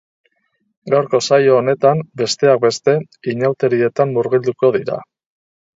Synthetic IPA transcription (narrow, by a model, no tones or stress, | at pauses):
ɡawɾko̞sajoːne̞t̪ambe̞st̪e̞ak̚be̞st̪e̞ | iɲawt̪e̞ɾie̞t̪amːuɾɣild̪uko̞ðiɾa̰